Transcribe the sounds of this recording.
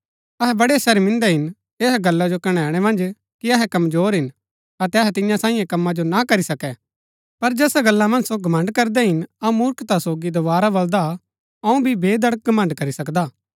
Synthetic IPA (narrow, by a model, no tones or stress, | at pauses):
ɐɦɛbɐɽesɐɾmɪ̃nd̪ɛɦɪn | eːɦɡɐlːad͡ʒokɐɽ̃ɛ̃ːɽ̃ɛmɐ̃nd͡ʒ | kiɐɦɛkɐmzoːɾɦɪn | ɐt̪ɛɐɦɛt̪ɪjãsãːĩːjẽkɐmːad͡ʒonakɐɾisɐkɛ | pɐɾd͡ʒɛːsaɡɐlːamɐ̃nd͡ʒsoɡʱɐmɐ̃ɳɖkɐɾd̪ɛɦɪnɐũmʊɾkt̪asoːɡid̪oʋaːɾabɐld̪a | ɐũbʱibʱeːd̪ɐɽək̚ɡɐmə̃ɳɖkɐɾisɐkd̪aː